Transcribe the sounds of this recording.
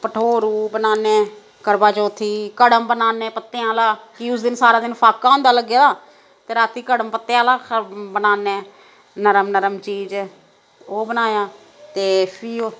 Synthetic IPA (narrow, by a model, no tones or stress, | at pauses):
pəʈʰoːɾuːbənaːneː | kəɾbaːt͡ʃoːt̪ʰːiːkəɽəmbənaːneːpət̪ːeãːlaːkiːʊsd̪ɪnsaːɾãːd̪ɪnpʰaːkːaːɦõːnd̪aːləɡːeːd̪aː | t̪eːɾaːt̪iːkəɽəmpət̪ːeãːlaːkbənaːneː | nəɾəmnəɾəmt͡ʃiːd͡ʒ | oːbənaːjaː | t̪eːpʰiːoː